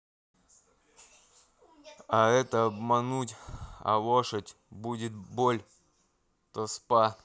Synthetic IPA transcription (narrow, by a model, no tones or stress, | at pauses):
aɛt̪əɐbmɐnutʲɐ̰loʂətʲ | budʲɪt̪bolʲ | t̪ospa